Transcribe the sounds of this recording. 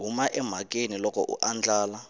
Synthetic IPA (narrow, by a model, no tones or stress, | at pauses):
ɦumaʔɛm̤akʼenilɔkɔ̰ʔṵʔand͡ɮʱaːla